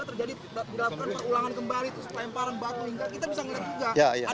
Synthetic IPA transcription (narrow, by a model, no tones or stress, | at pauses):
at̪ərd͡ʒadi | dilakukanpərulaŋankəmbalit̪usə̥pajanpaɾanbat̪̚məniŋɡakit̪abisaŋəliat̪̚d͡ʒuɡajaja